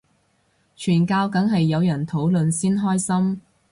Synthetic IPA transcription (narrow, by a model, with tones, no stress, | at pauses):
t͡ʃʰyː˨˩nkaː˧wkɐ˨˥ŋɦɐ˨jːɐ˨˧wjɐ˨˩nt̪ʰo˨˥wlɵ˨nsiː˥nɦɔː˥jsɐ˥m